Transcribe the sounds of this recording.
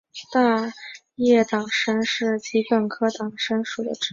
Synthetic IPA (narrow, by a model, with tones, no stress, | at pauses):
t̪a˥˧ | jɛ˥˩t̪ɑ˨˩ŋʂə˥nʂɻ̩˥˩t͡ɕi˧˥pə˨˩nkʰɤ˥t̪ɑ˨˩ŋʂə˥nʂu˨˩d̪ə̰˦ʈ͡ʂ